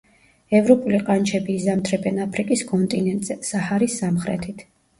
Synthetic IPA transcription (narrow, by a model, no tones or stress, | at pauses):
ɛvɾɔpʼuliqʼant͡ʃʰɛbiːzamt̪ʰɾɛbɛnapʰɾikʼiskʼɔnt̪ʼinɛnt̪ʼz̥ɛsahaɾisːamχɾɛ̰t̪ʰit̪ʰ